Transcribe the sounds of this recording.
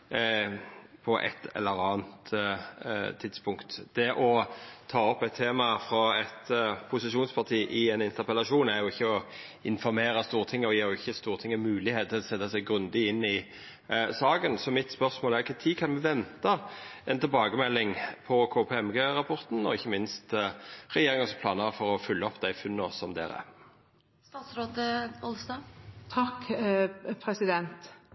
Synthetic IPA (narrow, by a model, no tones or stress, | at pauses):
pʰɔʔɛ̰t̪ːɛ̰lːəɾɑːnt̪ | t̪ʰːɪd̪spʰʊŋkt̪d̪̥ɛʔɔt̪ʰɑːɔpːɛt̪ʰːeːmɑfɾɑɛt̪pʰʊsɪʃuːnspʰɑʁt̪ʰiːʔɪɛnɪnt̪əʁpəlɑʂuːnæʁjʊɪçːəɔ | ɪnfɔɾmeːɾɑst̪uːʁt̪ʰɪŋːəɔjeːʁjʊɪçːəst̪uːʁt̪ʰɪŋːəmʉːlɪheːt̪̚ʰːɪlsɛt̪ːɑsɛɡɡʁʉnd̪ɪɪnːɪ | sɑːɡənsɔmɪt̪spœɾsmoːlæɾɪkːət̪ʰiːkʰɑnmɛʋɛnt̪ɑɛnt̪ʰɪlbɑːɡəmɛlːɪŋpʰɔkʰoːpʰeːɛmɡeːɾɑpʰɔʁt̪n̩ɔɪçːəmɪnst̪ʁɛjeːʁɪŋənspʰlɑːnɑʁfɔɾɔfʉlːəɔpːd̪æɪfʉnːɔsɔmd̪ḛːɾə̰ | st̪ɑːt̪sɾoːt̪əɔlsd̪ɑːt̪ʰɑkː | pʰɾɛsɪd̪ɛnt̪